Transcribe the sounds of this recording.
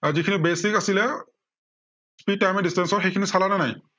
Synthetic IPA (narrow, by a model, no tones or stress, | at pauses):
azikʰinibesikasilɛ | spid̚tajmɛdistɛnsɔxejkʰinisalananaj